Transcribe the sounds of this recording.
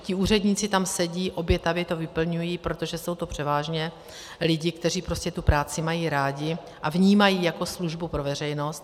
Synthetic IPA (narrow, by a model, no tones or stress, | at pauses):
cɪuːrɛd̪ɲiːt͡sɪt̪amsɛɟiːʔo̞bjɛt̪avjɛt̪o̞vɪpl̩ɲujiːpɾo̞t̪o̞ʒɛso̞wt̪o̞pr̝̥ɛvaːʒɲɛ | lɪɟɪkt̪ɛr̝iːpɾo̞scɛt̪upɾaːt͡sɪmajiːɾaːɟɪ | ʔavɲiːmajiːjako̞sluʒbupɾo̞vɛrɛjno̞st̪